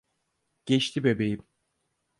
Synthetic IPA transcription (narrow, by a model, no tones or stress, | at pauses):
ɟ̥ɛt͡ʃt̪ʰibebejim